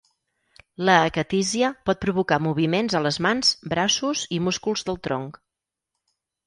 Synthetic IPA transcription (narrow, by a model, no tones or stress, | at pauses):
ləːkət̪iziəpɔt̪̚pɾuβukamuβ̞imenzələzmanz̥bɾasuzimuskulˠzðəlˠt̪ɾɔ̰ŋk